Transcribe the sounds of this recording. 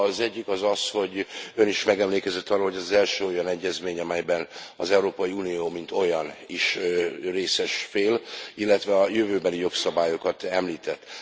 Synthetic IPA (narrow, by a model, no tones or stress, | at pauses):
zɛɟːikɒzɒsho̞ɟø̞niʃmɛɡɛmleːkɛzɛt̪ːɒroːlhɦo̞ɟɒzɛlʃøːo̞jɒnɛɟːɛzmeːɲɒmɛjbɛnɒ̰zɛuɾoːpɒjiuːnijoːmint̪o̞jɒniʃreːsɛʃfeːlilːɛt̪ʋɛɒjøvøːbɛlijo̞ksɒbaːjo̞kɒt̪ɛmliːt̪ɛt̪ː